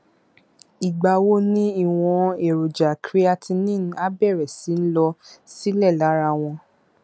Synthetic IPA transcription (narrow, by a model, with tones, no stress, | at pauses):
i˨ɡ͡ba˧wo˦nĩ˦i˦˨w̃ɔ̃˧e˨ɾo˨d͡ʒa˨kɾi˦a˧tʰĩ˧nĩ˦˨n˦a˦bɛ˦˨ɾɛ˨si˨˦n̩˦lɔ˧si˦lɛ˦˨la˨˦ɾa˧w̃ɔ̃˧